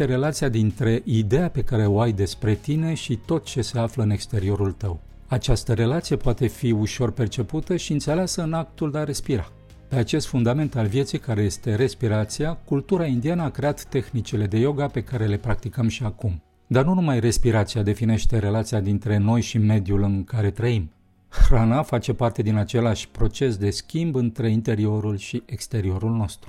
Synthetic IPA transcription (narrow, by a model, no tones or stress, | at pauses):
eɾe̞lat̪siad̪int̪ɾe̞ʔid̪e̞jape̞kaɾe̞o̞ajd̪e̞spɾe̞t̪ine̞ʃit̪o̞t̪̚t͡ʃe̞se̞afləɨne̞kst̪e̞ɾio̞ɾult̪əw | at͡ʃast̪əɾe̞lat̪sije̞poat̪e̞fiuʃo̞rpe̞rt͡ʃe̞put̪əʃiɨnt̪se̞leasəɨnak̚t̪uld̪eaɾe̞spiɾa | pe̞at͡ʃe̞st̪fund̪ame̞nt̪alvje̞t̪sijkaɾe̞je̞st̪e̞ɾe̞spiɾat̪siakult̪uɾaind̪ianəakɾe̞at̪ːe̞xnit͡ʃele̞d̪e̞jo̞ɡape̞kaɾe̞le̞pɾak̚t̪ikəmʃiakum | d̪arnunumajre̞spiɾat̪siad̪e̞fine̞ʃt̪e̞ɾe̞lat̪sijad̪int̪ɾe̞no̞jʃime̞d̪julɨŋkaɾe̞t̪ɾəim | xɾanafat͡ʃe̞part̪e̞d̪inat͡ʃe̞laʃʲpɾo̞t͡ʃe̞sd̪e̞skʲimbɨnt̪ɾe̞int̪e̞ɾio̞ɾulʃiʔekst̪e̞ɾio̞ɾulno̞st̪ɾu̥